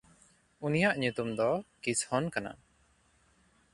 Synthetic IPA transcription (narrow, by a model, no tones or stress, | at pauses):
unijaʔɲut̪umd̪ɔkishɔnkana̰